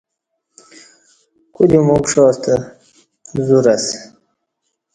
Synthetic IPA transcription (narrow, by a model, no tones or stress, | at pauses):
kud̪imukʂoːst̪a | zuɾas